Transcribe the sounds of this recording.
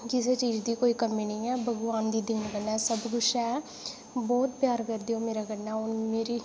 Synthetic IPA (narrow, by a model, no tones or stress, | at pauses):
kɪseːt͡ʃiːd͡ʒd̪iːkoːiːkəmiːnĩːɛːbʱəɡʋaːnd̪iːd̪ɪːnkənːɛːsəbɡʊʃʰɛː | bɔːt̪̚pjaːɾkəɾd̪eːõːmeːɾaːkənːɛːʊnmeːɾiː